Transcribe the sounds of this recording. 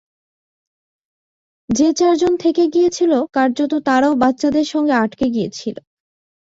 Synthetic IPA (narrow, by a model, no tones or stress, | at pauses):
d͡ʑet͡ɕaɾd͡ʑont̪ʰekeɡijet͡ɕʰilokaɾd͡ʑot̪ot̪aɾaobatːɕad̪eɾʃɔŋɡeaʈkeɡijet͡ɕʰilo̰